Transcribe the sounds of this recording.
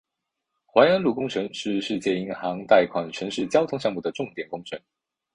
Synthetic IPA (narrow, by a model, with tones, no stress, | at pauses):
xwa˧˥ɪə˧˥nlu˥˩kʊ˥ŋʈ͡ʂʰə˧˥ŋʂɻ̩˥˧ʂɻ̩˥˧t͡ɕjɛ˥˩i˧˥ŋxɑ˧˥ŋt̪a˥˩ɪkʰwa˨˩nʈ͡ʂʰɤ˧˥ŋʂɻ̩˥˩t͡ɕjɑ˥ʊt̪ʰʊ˧˥ŋɕjɑ˥˧ŋmu˥˩d̪ə˩ʈ͡ʂʊ˥˩ŋt̪jɛ˨˩nkʊ˥ŋʈ͡ʂʰɤ˧˥ŋ